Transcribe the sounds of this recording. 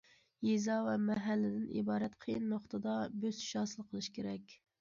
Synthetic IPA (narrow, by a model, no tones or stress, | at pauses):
jezɑvɛmɛɦælːɪd̪ɪnʔḭbɑːɾɛt̪qʰejɨnːoχt̪ʰɨd̪ɑbøz̥ʃɑːsɨlˠqʰəlˠɨʃkʲʰeɾɛkʲ